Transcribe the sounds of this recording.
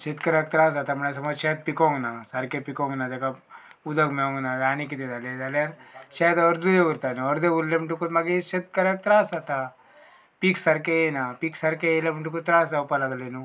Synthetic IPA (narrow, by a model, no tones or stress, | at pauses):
ʃet̪kɐɾak̚t̪ɾaːs̬at̪amɐɳas̬ɐmoːʃet̪̚pikoŋɡnasɐɾkepikoŋɡnad̪eka | ud̪ɐkmeoŋɡnad̪aːnikit̪ed̪aled̪aleaɾʃet̪ɔɾd̪ud̪eʋuɾt̪aniɔɾd̪euɾlemɳʈukut̪mɐɡiʃet̪̚kɐɾak̚t̪ɾaːsat̪a | piksɐɾkeenapiksɐɾkeelemiɳʈukut̪ɾaːs̬ɐpalɐɡlenu